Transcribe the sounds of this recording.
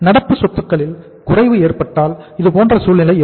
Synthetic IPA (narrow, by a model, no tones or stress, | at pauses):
nɐɽɐpːɯsɔt̪ːɯkːɐɭɪl | kʊrɐɪʋɯeːrpɐʈːaːlɪðɯpoːndrɐsuːlnɪlɐɪ